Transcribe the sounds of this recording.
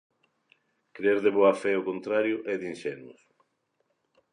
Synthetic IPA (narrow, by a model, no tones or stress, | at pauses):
kɾeɾðeβoafɛokont̪ɾaɾjʊʔɛðinʃɛnʊ̰s